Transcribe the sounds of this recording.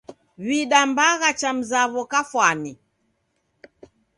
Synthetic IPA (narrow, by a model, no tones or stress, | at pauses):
βiɗambaɣat͡ʃam̩zaβɔkafwani